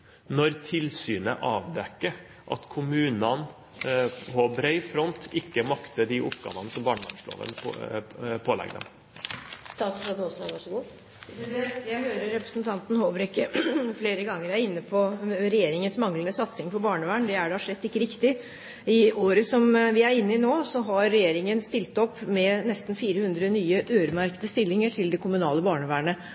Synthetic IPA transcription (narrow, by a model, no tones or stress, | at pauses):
nɔɾt̪ʰɪlsyːnə̰ʔɑːʋd̪ɛkːə | ʔɑ̰t̪kʰʊmʉːnɑn | pʰɔbɾœɪfɾɔnt̪ʰɪkːəmɑkt̪əd̪ɪʔʊpɡɑ̰ːʋənəsɔmbɑːɳəʋɑ̰nʂlo̰ːʋə̰n | pʰoːlɛ̰ɡd̪ɛ̰m | st̪ɑːt̪slɑb̪ɔsɑʋɑʂɔɡuː | ɛjæhøːɾəɾɾɛpɾəsnt̪ʰɑnt̪n̩hoːʋəɾɪkːəfleːɾəɡɑŋːəɾæɾɪnːəpʰɔɾɛjeːɾɪŋənsmɑŋlənəsɑt̪sɪŋpʰɔbɑːɳəʋæːɳd̪ɛæɖɛhɑʂɭɛt̪ːɪkːəɾɪkt̪ɪ | ɪoːɾəsɔmʋɪæɾɪnːɪnoːsɔɦɑɾːɛjeːɾɪŋənst̪ɪlt̪ɔpːmɛnɛst̪n̩fiːɾəhʉnd̪ɾənyːəʔøːɾəmæɾkəd̪əst̪ɪlːɪŋəʈʰɪld̪ɛkʰʊmʉnɑ̰ːləbɑːɳəʋæːɳə